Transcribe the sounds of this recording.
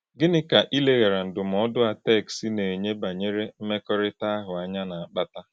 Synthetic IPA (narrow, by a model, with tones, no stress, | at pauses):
ɡɪ˦nɪ˦ka˨ʔi˦le˦ɣe˨ɾa˨n̩˨dʊ˨m̩˨ɔ˦dʊ˦a˨tɛ˦˨ksi˦ne˨ɲe˦ba˨ɲe˦ɾe˦m̩˦me˦kɔ˦ɾɪ˦ta˦ɦʊ˨a˦ɲa˦na˨a˨k͡pa˦ta˦